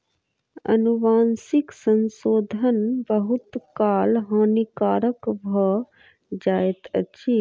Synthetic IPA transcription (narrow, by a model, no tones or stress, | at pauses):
ə̰nuʋaːnsiksənsoːd̪ʱənbəɦut̪kaːlɦãnikaːɾəkbʱə | d͡ʒaːjt̪ə̰t͡ʃʰi